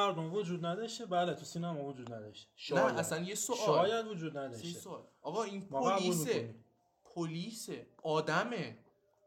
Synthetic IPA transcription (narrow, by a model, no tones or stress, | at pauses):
æɾd̪omvod͡ʒuːd̪næd̪ɒʃt̪ebæːlet̪ʰusinæmɔvod͡ʒuːd̪næd̪ɒ̰ʃt̪eʃnæʔæsænjesoʃɒːjæd̪vod͡ʒuːd̪næd̪ɒjʃesolɒɣɒinpmɒolæusmieniː | pʰoliseʔɒːd̪æme